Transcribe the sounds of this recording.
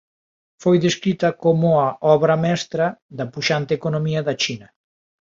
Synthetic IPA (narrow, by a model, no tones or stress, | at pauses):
fojðeskɾit̪ɐkomʊɐʔɔβɾɐmɛst̪ɾɐðɐpuʃant̪ekonomiɐðɐt͡ʃinɐ